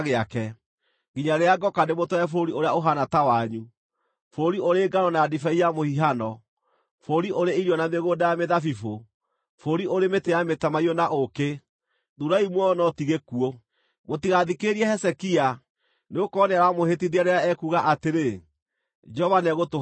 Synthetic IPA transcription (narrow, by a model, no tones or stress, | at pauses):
ɣeakɛ | ɡiɲaɾeaɡɔkademotɔɛfoɾioɾeaoɦanatawaɲu | foɾioɾeːɡaɾɔnaːdifaiamohiɦanɔ | foɾiʔoɾeiɾjɔnameɣoːdajameðafifo | foɾioɾemetejametamaiɔnaʔoke | ðuɾaimwɛɔnɔtiɣekuo | motiɣaðikeɾiɛhɛsɛkia | neokɔneaɾamohetiðeaɾeaɛkuɣaʔateɾe | d͡ʒɔvanɛɣoto